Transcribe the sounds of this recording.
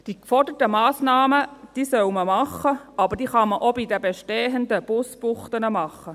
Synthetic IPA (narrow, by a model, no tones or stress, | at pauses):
d̥ikfɔɹdətəmɑːsnɑːməd̥iːsœʊməmɑχːəʔɑbəɾd̥iːχɑməʔobidəbeʃteːɦəndəb̥ʊsb̥ʊχt̪ənəmɑχə